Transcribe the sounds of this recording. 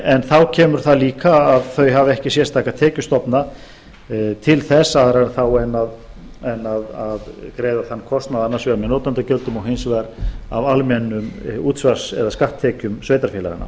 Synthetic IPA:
ɛnθawcʰɛːmʏɾ̥θaðliːkaːðθœɥɦavɛhcɪsjɛrst̪ʰaːkat̪ʰɛːcʏst̪ɔpna | t̪ʰɪlθɛsːaðɾaθawɛnːað | ɛnːaðaðkɾeːjðaθanːkʰɔst̪naðanːaɾsvɛɾamɛðnoːt̪ant̪acœlt̪ʏmɔwɦejnsvaɾa̰valmɛnːʏmuːt̪svaɾsɛ̰ðaskaht̪ʰːɛːcʏmsveːjt̪aɾfɛːla̰ɣa̰na̰

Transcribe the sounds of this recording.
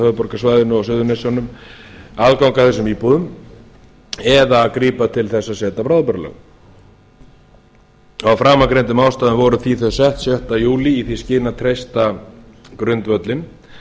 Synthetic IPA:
hœːðpɔɾkasvaːjðɪnʏɔsʏðʏnesjawnʏm | aðkawŋkaθɛsːʏmiːpuðʏm | ɛðakɾiːpat̪ʰɪlθɛsːasɛːt̪apɾawðpœɾlœ̰ɣ | ɔawfɾaːmakɾejnt̪ʏmaːwst̪aːðʏmvɔɾʏθiθœ̥sɛht̪sjœht̪ajuːliːθiscɪːnat̪ʰɾejst̪akɾʏnt̪vœt̪lɪn

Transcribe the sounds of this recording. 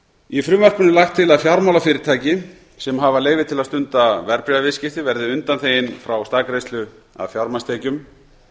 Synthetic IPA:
ifɾʏːmœr̥kʏnɪlaxt̪ʰːɪlaðfjawɾmawlafɪːɾɪɾ̥t̪ʰaːjcɪ | sɛmɦavaleːjvɪt̪ʰɪlast̪ʏnt̪avɛɾpɾɛavɪscɪft̪ɪvɛɾðɪʏnt̪anθejɪnfɾawst̪aːkɾejst̪lʏ | a̰ðfjawɾmast̪eːcʏm

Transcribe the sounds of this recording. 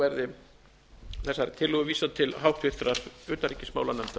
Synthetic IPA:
ɛɾðɪ | θɛsːaɾt̪ʰɪlːʏɣʏviːsat̪ʰɪlɦawht̪vɪ̥t̪ɾḁʏːt̪aɾiːcɪsmaːwlanɛmt̪a

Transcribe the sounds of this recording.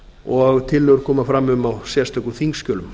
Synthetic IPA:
ɔɣt̪ʰɪlːœɣʏɾkʰɔːmafɾamːʏmawsjɛst̪œkuθiŋkscœːlʏm

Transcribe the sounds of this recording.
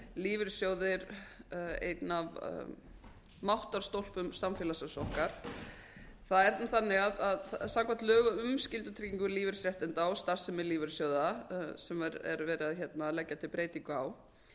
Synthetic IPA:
liːvɪɾ̥sjoːwðɪɾ | ḛjt̪nav | mawht̪aɾ̥st̪owl̥pʏmsamfjɛlasœsɔhkaɾ̥ | θaðɛɾanθanːɪɣaðaðsamkʰvan̥t̪lœːɣʏʏmscɪlt̪ʏt̪ʰɾiciŋkʏɾliːvɪɾ̥sɾjɛht̪ɪnt̪awst̪aɾ̥sɛmɪɾliːvɪɾ̥sjowðasɛmaɾɛ̰ɾvɛːɾɪðaðçɛt̪nalɛcːat̪ʰɪlpɾeːjt̪iŋkʏaw

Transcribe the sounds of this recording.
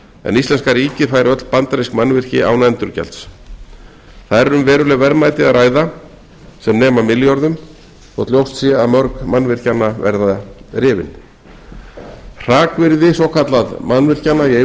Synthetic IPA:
ɛ̰nist̪lɛnskaɾiːcɪfaːjɾɪœt̪l̥pant̪aɾiskmanːvɪr̥cɪawnaɛnt̪ʏɾ̥cɛ̰lt̪s | θaðɾɛɾʏmvɛːɾʏlɛɣvɛɾmaːjt̪ɪaðɾaːjða | sɛmnɛːmamɪljɔɾðʏm | θɔ̰ɣt̪ljowst̪sjɛaðmœɾkmanːvɪr̥canːavɛ̰ɾðarɪːvɪ̰n | r̥aːkvɪɾðɪsɔwkʰat̪laðmanːvɪr̥canːaie

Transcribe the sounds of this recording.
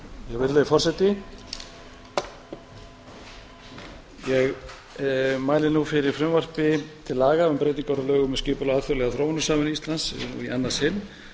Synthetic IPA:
jɛɣvɪɾlɛðɪfɔrsɛt̪ɪ | jɛɣ | maːjlɪnufɪɾɪɾ̥fɾɪmvar̥pɪt̪ʰɪlːaːɣaʏmpɾejt̪niŋkaɾalœːɣʏmɛscɪːpʏlaaːðθɔwlɛɣaθɾowanʏsaːmɪnist̪lansṵianːashɪnː

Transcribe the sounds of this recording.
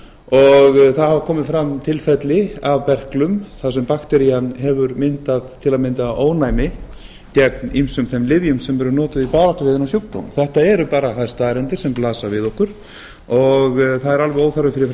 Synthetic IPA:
ɔɣθaðhavakʰɔːmɪðfɾamːt̪ʰɪlfɛt̪lɪavpɛr̥klʏmθasɛmpakt̪ɛɾijanɦɛvʏɾmɪnt̪aðt̪ʰɪlaðmɪnt̪aoːwnajmɪ | t̪jɛknimsʏmθɛmlɪvjʏmsɛmɛɾʏɾnɔːt̪ʏðipaːɾaht̪ɔvɪːðɪnawsjowkt̪a̰wnθɛht̪aɛɾʏpaːɾaθaðɛɾ̥st̪aːðɾɛnt̪ɪɾ̥sɛmplaːsavɪðɔhkʏɾ̥ | ɔɣθaðɛɾalvɛoːwθaɾvɪfɪɾɪf

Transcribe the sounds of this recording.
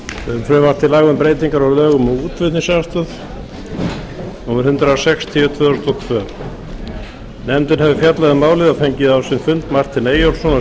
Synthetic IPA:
vɪðʏmfɾɛmvaɾ̥t̪ʰɪlaːɣʏmpɾeːjt̪iŋkaɾalœːɣʏmɔuːt̪vɪt̪nɪsast̪ʏθ | nuːmɪɾhʏnt̪ɾasɛkst̪ʰɪːvʏt̪ʰvœːðɾst̪ɔt̪ʰvœː | nɛmt̪ɪnhɛvɪfjat̪laðɪmaːwlɪðafejɲcɪðawsɪnfʏnt̪mar̥t̪ɪneːjɔlsɔna

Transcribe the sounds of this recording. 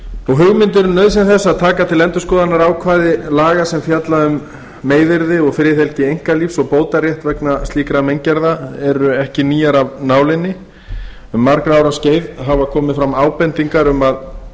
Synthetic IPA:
ɔɣɦʏɣmɪnt̪̬ɪɾʏnœɥðsɛnθɛsːaðt̪ʰaːkat̪ʰɪlɛnt̪ʏskɔːðanaɾawkʰvaːðɪlaːɣasɛmfjat̪laʏmː | eːjðɪɾðɪɔɣfɾɪθɛlcɪejŋ̥kaliːfsɔɣpoːwt̪arjɛht̪vɛknast̪liːkɾamejŋcɛɾðaɛɾʏɛhcɪniːjaɾavnaːwlɪnːɪ | ʏmːaɾkɾaːwɾasceːjðɦavakʰɔːmɪðfɾamaːwpɛnt̪iŋkaɾʏmað

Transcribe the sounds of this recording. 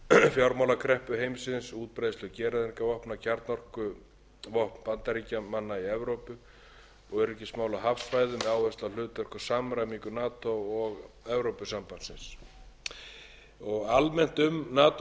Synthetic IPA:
fjawɾmawlakʰɾɛhpʏɦejmsɪnsuːt̪̚pɾajðst̪lʏcɛːɾaðiɾ̥kavɔhpnacʰaɾt̪nɔr̥kʏ | vɔhpnpant̪aɾiːcamanːaiɛvɾowpʏ | ɔɣɛɾɛhcɪ̥smaːwlaɦafsfaːjðʏmɛðaːwvɛst̪alʏːt̪œr̥kʏ̥samɾajmiŋkʏnaːt̪owɔɣ | ɛvɾowpʏsampansɪns | ɔɣalmɛn̥t̪ʏmnaːt̪

